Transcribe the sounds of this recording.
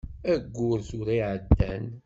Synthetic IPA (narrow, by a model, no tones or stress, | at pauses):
æɡʷːʊɾθʊɾiʕəd̪ːæn